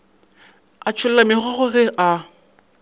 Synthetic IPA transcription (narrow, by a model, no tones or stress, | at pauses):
at͡ʃʰʊlɛamɪχɔɣʊɣɪʔa